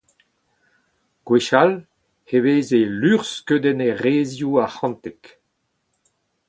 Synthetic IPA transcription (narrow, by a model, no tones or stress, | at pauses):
ɡ̥weʃal | heveːzelyʁskød̪ɛneʁeːzjuaχɑ̃nt̪ɛk